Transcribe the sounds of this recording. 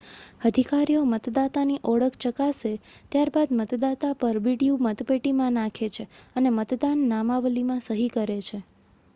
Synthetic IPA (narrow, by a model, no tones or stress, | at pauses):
əd̪ʱikaɾijomət̪d̪at̪aniʔɔɽəkʰt͡ʃəkaset̪jaɾbad̪mət̪d̪at̪apəɾʋiɽijumət̪peʈimãnãkʰet͡ʃʰeənemət̪d̪anːamaʋlimãsəɦikəɾet͡ʃʰe